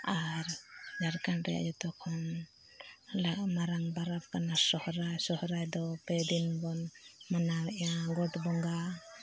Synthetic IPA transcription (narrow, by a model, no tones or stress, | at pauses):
aɾd͡ʒaɾkanɾɛ̰ja̰ʔd͡ʒɔt̪ɔkʰɔn | laʔ̚maɾaŋbaɾap̚kanasɔhɾajsɔhɾajd̪ɔpɛd̪inbɔnmanaɛʔaɡɔʈbɔŋɡa